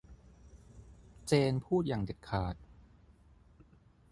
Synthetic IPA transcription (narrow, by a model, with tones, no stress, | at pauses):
t͡ɕeː˧npʰuː˥˩t̪̚jaː˨˩ŋde˨˩kkʰːaː˨˩t̪̚